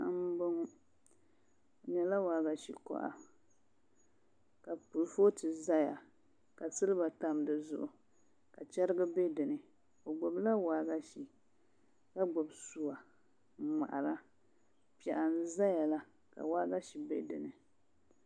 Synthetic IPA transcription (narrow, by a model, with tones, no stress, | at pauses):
m̩˦bʊ˦ŋ˦˨ | ɲɛ˨la˦waː˨˦ɡa˨ʃḭ˨kɔ̰˦˨ʔa̰˨ | ka˨pu˨lfo˦tɨ˨za˦ja˨ | ka˨sɨ˦lɨ˦ba˨ta˨m˦dɨ˨zʊ̰˨ʔʊ˨ | ka˨t͡ʃɛ˦ɾɨ˦ɡɨ˦be˦dɨ˨nɨ˨ | o˨ɡ͡bʊ˨bla˦waː˨ɡa˦ʃi˨ | ka˦ɡ͡bʊ˨bsu˨a˨˦ | ma̰˨ʔa˨ɾa˦ | pi˦˨ɛ˨ʔa˨n̩˦za˦ja˨la˦ | ka̰˨waː˦ɡa˦ʃi˨bḛ˦dɨ˨nɨ˨